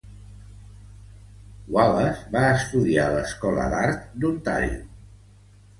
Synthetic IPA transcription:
waləzβaəst̪uðialəskɔlə̰d̪aɾt̪̚d̪unt̪a̰ʎ

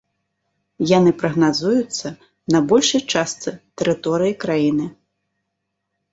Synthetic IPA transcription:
janɨpɾɐɣnazujut̪sːɐ | nɐbɔlʲʂɐjt͡ʂast̪sɨt̪ɛɾɨt̪ɔɾɨjikɾajinɨ

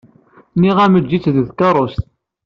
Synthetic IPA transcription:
niʁæməd͡ʒːit͡sːððkɑɾˤost̪

